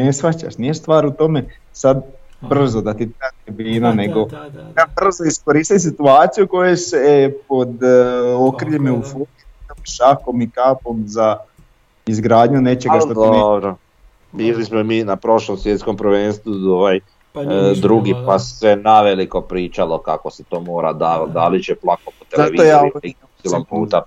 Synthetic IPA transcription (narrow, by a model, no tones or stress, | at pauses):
nesfat͡ɕa̰ʃnijest̪ʋaːɾut̪o̞me̞ | sad̪ | br̩zod̪at̪it̪at̪ebiːnane̞ɡo̞abr̩zoiskoɾist̪as̬it̪uaːt̪sijuko̞jesepo̞d̪okɾiʎemeufoit̪apʃako̞mikaːpo̞mza | izɡɾaːd̪ɲune̞t͡ʃeɡaʃttod̪obɾo | biːlismomiːnapɾo̞ʃlˠomsʋjet̪sko̞mpɾʋeːnst̪ʋuoʋaj | d̪ɾuɡipasenaʋeliko̞pɾiːt͡ʃalokakoset̪o̞ːmoːɾa̰d̪aːat̪d̪alit͡ʃeplˠakopot̪ezaeʋiojaiusilompuːt̪a